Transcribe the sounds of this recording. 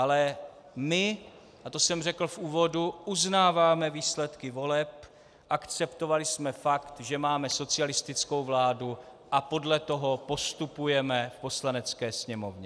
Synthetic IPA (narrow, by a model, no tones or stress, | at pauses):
ʔalɛ | mɪ | ʔat̪o̞sɛmr̝ɛkl̩fʔuːvo̞duʔuznaːvaːmɛviːslɛt̪kɪvo̞lɛp | ʔakt͡sɛpt̪o̞valɪsmɛfakt̪ʒɛmaːmɛso̞t͡sɪalɪst̪ɪt͡sko̞wvlaːdu | ʔapo̞dlɛt̪o̞ɦo̞po̞st̪upujɛmɛfpo̞slanɛt͡skɛːsɲɛmo̞vɲɛ